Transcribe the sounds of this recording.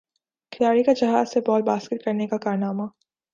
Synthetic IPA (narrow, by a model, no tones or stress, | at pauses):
kʰɪlaːɽikad͡ʒɐɦaːzsebɔːlbaːskɪʈ̪̚kɐɾnekakaːɾnaːma